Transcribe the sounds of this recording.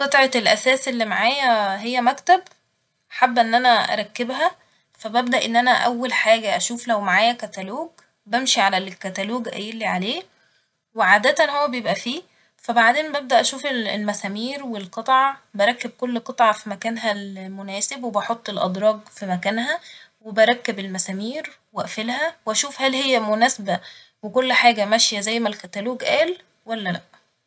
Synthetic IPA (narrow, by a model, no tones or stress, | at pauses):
qet̪ˤʕɑelʔæsæːsʔelːimaʕaːjæɦejːæmækt̪æb | ħabːʔenːʔænæʔæ̰ɾˤɑkːebɦæ | fæbæbd̪æʔenːʔænæʔæwːælħaːɡæʔæʃuːflæwmaʕaːjækæt̪æloːɡ | bæmʃiʕalælkːæt̪æloːɡʔæ̰jelːiʕaleː | weʕaːd̪æt̪ænhowːæbejebʔæfiː | fæbaʕd̪eːnmbæb̚d̪æʔæʃuːfellmæsæːmiːɾwelqɑt̪ˤʕɑbæɾˤɑkːeb̚kolːqɑt̪ˤʕɑfimækæːnɦælmonæːsebwebɑħot̪ˤːelʔɑ̰d̪ˤɾˤɑːɡfimækæːnɦæ | webæɾˤɑkːebelmæsæːmiːɾ | weʔæfelhæwʔæʃuːfhælhejːæmonæːsbæ | wekolːħaːɡæmæʃjæzæjːmælkæt̪æluːɡʔæːl | wælːælæʔ